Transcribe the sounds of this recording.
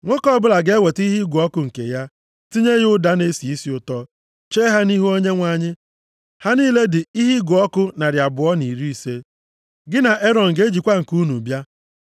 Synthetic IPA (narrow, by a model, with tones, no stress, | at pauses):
ŋʷo˦kɔ˦bʊ˦la˨ɡe˦we˨ti˦ɦi˦ɡʷʊ˨ɔ˦kʊ˦ŋ̩˨kḛ˨ja˦ | ti˦ɲe˦ɣʊ˦da˦ne˦si˨i˦si˦ʊ˨tɔ˦ | t͡ʃeː˦ɦa˦ni˦ɦu˦o˦ɲe˦ŋʷa˨ɲɪ˦ | ha˦niː˦le˦dɪ˨i˦ɦi˦ɡʊ˨ɔ˦kʊ˦na˨ɾja˨bʊ˨ɔ˦ni˨ɾi˦i˨se˦ | ɡɪ˦na˨ʔe˦ɾɔ˨n̩˨ɡe˦d͡ʒi˨kʷa˦ŋ̩˨ku˦nu˨bja˦